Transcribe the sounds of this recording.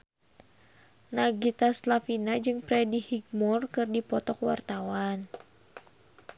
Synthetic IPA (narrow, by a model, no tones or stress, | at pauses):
naɡit̪aslafinad͡ʒɨŋpɾɛdihiɡ̚mɔrkɨrdipɔt̪ɔkwa̰rt̪awan